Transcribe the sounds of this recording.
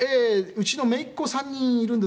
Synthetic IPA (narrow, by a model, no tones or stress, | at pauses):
eɯ̟t͡ɕino̞me̞ikːosãɲ̟ːĩɰiɾɯ̟̃nd̪e